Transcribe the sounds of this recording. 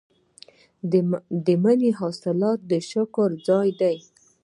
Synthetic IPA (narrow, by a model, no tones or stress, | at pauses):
d̪əmaneɦɑsɪlɑt̪̚d̪əʃʊkʊɾd͡zɑjd̪aj